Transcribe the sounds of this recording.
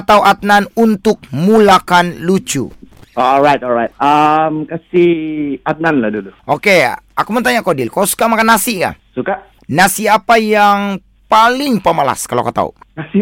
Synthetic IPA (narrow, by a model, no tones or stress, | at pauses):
t̪auʔat̪̚nanunt̪ʊk̚mulakanlut͡ʃṵoɔlɾajt̪ɔlɾajt̪̚əmkasiat̪̚nanlahduluʔokeakumənt̪aɲakodɪlkalosu̥kamakanːasiŋa̰suka | nasiapajaŋ | palɪŋpəmala̰skaloakat̪a̰ṵkasi